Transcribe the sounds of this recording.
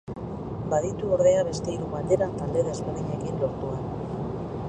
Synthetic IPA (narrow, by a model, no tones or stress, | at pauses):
baðit̪uo̞ɾðe̞aβe̞st̪e̞iɾuβald̪e̞ɾat̪ald̪e̞ðezpeɾðiɲekinlo̞ɾt̪uan